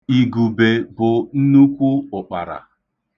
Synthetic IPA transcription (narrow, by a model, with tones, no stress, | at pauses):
i˨ɡu˨be˨bʊ˨n̩˦nu˦kʷu˦ʊ˨k͡pa˨ɾa̰˨